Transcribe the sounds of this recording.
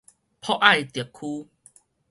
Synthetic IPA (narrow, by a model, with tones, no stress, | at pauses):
pʰɔ˦ʔa˥˨jt̪i˨˩əkʰːu˦